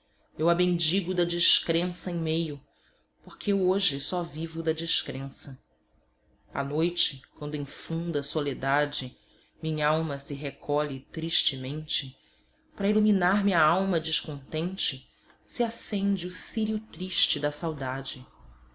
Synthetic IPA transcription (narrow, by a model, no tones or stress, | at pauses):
ewabẽnd͡ʒiɡʊd̪ɐd͡ʒiʃkɾẽsɐẽj̃mejʊ | poɾkʰeewoʒɪsɔvivʊd̪ɐd͡ʒiʃkɾẽsɐ | a̰nojt͡ʃɪkwɐ̃nd̪ʊĩfũnd̪ɐsoled̪ad͡ʒɪ | mĩɲɐawmɐsɪɦekʰɔʎɪt̪ɾiʃt͡ʃɪmẽnt͡ʃɪ | pɾɐiluminaɾmiɐawmɐd͡ʒiʃkõnt̪ẽnt͡ʃɪ | siasẽnd͡ʒɪusiɾiʊt̪ɾiʃt͡ʃɪd̪ɐsawd̪ad͡ʒɪ